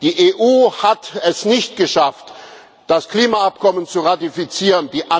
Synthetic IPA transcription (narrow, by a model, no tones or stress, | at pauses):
d̥iːʔeːʔuːhatɛsnɪçt̚ɡ̥əʃaft | d̥askl̥iːmaap̚kʰɔmənt͡suʁatifit͡siːʁəndiːʔa